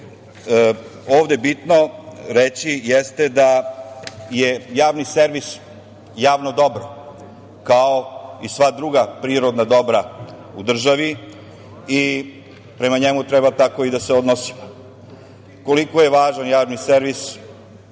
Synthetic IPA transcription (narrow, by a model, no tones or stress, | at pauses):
oːʋd̪e̞bit̪noɾet͡ɕijest̪e̞d̪a | jejaːʋniseɾʋis | jaːʋnod̪o̞bɾo | kaoisʋad̪ɾuɡapɾiːɾod̪nad̪o̞bɾa | ud̪r̩ʒaʋi | i | pɾe̞maɲemut̪ɾebat̪ako̞id̪aseod̪nosi̥mo | ko̞likojeʋaːʒanjaːʋniseɾʋis